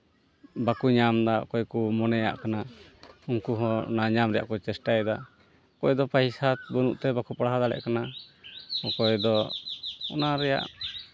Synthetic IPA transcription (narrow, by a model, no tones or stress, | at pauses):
bakuɲamd̪akɔjkumɔnɛja̰ʔkanauŋkuɦɔnaɲamɾɛja̰ʔkɔt͡ʃɛsʈajd̪a | kɔjd̪ɔpaisat̪̚bɔnṵʔt̪ɛbakupaɽaɦad̪alɛ̰ʔkana | ɔkɔjd̪ɔ | ɔ̰naɾɛja̰ʔ